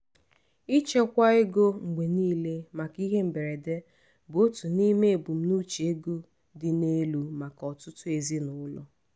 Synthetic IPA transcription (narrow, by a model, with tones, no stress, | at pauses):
i˦t͡ʃe˦kʷa˦e˦ɡo˦ŋ͡m̩˨ɡ͡be˨niː˦le˦ma˨ki˦ɦe˦m̩˨be˨ɾe˨de˦ | bʊ˨o˦tu˨ni˦me˦e˨bʊ˨m̩˦nu˦t͡ʃi˨e˦ɡo˦ | dɪ˨ne˦lu˦ma˨kɔ˨tʊ˦tʊ˦e˨zi˦nʊ˨˦lɔ˦